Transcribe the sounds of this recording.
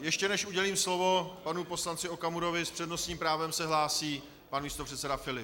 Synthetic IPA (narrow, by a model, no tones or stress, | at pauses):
jɛʃcɛnɛʃʔuɟɛliːmslo̞vo̞panupo̞slant͡sɪo̞kamuɾo̞vɪspr̝̥ɛdno̞sɲiːmpɾaːvɛmsɛɦlaːsiː | panmiːst̪o̞pr̥ɛt̪sɛdafɪlɪp